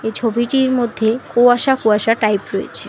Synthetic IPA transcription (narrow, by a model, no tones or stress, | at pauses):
et͡ɕʰobiʈiɾmod̪ʱːekoaʃakoaʃaʈajpɾoḛt͡ɕʰe